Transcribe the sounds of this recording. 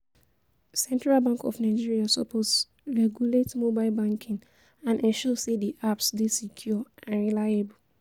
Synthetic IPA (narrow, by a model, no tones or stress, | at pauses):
sɛ̃ntɹalbãŋkɔ̰fnaɪd͡ʒiɹiasɔ̰pʰos | ɹɛɡjuletmobaɪlbãŋkʰĩŋ | ãnɛ̃ʃɔsediʔapsdesikʰjɔãnɹilaɪebul